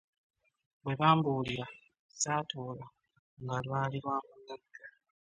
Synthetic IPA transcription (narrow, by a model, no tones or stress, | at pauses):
bwe̞βaːmbuːliɾa | saːtoːla | ŋɡalwaːliɾwaːmunaɡːa